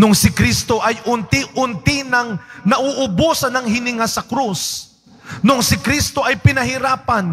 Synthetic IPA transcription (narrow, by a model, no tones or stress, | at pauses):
nʊŋsɪkɾist̪oʔɐjʔʊnt̪ɪʔʊnt̪ɪnɐŋnɐʔoʔʊbusɐnɐŋɦɪnɪŋasɐkɾus | nʊŋsɪkɾist̪oʔɐjpɪnɐɦɪɾaːpan